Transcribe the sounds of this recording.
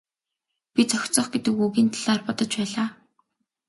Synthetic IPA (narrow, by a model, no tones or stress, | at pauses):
pʲit͡sʰɔxʲt͡sɞ̆χɡet̪ɘ̆kuɣiːnt̪ʰḁɮaːrpɔt̪ɞ̆t͡ɕpæːɮaː